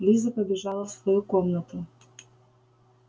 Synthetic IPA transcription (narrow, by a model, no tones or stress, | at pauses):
lʲizəpəbʲɪʒɑlˠəsvojukomnət̪u